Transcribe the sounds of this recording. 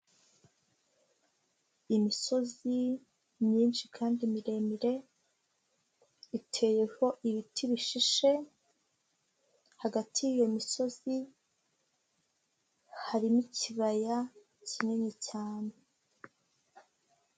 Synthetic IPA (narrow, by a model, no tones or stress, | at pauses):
imiso̞zi | mɲiːnʃikʰaːndimiɾe̞miɾe̞ | itʰe̞je̞ho̞ʔiβitʰiβiʃiʃe̞ | haɡatʰijijo̞miso̞zi | haɾimiciβaja | ciɲe̞ɲicaːne